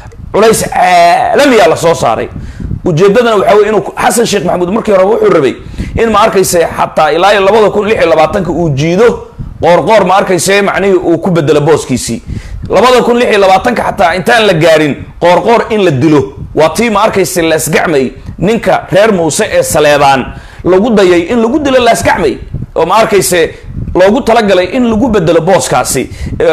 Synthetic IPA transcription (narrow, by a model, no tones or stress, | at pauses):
ʕʊlɛjsʕaːlɐmɪɣaːlɐsɔːsa̰ːɾɛ̰jʔʊt͡ʃɛːd̪ɐðɐnɐwɑħɑːwɛːjɪnuːħɑsɐnʃɛːχmɐħmuːd̪mɐrkʰiːhɔɾɛwʊħuːrɐβɛ̰j | ʔɪnmɐɐrkʰɛjsɛħɑ̰t̪ʰːaːɪlaːjɐlɐβɐðɐkʊnlɪħjɛlɐβaːt̪ʰɐŋkʰɐuːt͡ʃiːðɔ | qɔːrqɔːrmɐɐrkʰɛjsɛmɑ̰ʕnɪɦɪʔuːkʰʊbɛd̪ɛlɛbɔːskʰiːsḭːlɐβɐðɐkʊnlɪħjiɛlɐβaːt̪ʰɐŋkʰɐħɑt̪ʰːaːɪnt̪ʰaːnlɐɡaːɾɪnqɔːrqɔːrɪnlɐd̪ɪlɔwɑːt̪ʰiːmɐɐrkʰɛjsɛlɐɪsɡɑʕmɛjnɪŋkʰɐrɛːrmuːsɛʔɛːsɐlɛːβaːn | lɐɣʊd̪ɐjɛjʔɪnlʊɣʊd̪ɪlɔlɐɪsɡɑʕmɛjʔɔːmɐɐrkʰɛjsɛ | lɔːɣʊt̪ʰɐlɐɡɐlɛjʔɪnlʊɣʊbɛd̪ɛlɔbɔːskʰa̰ːsɪ̰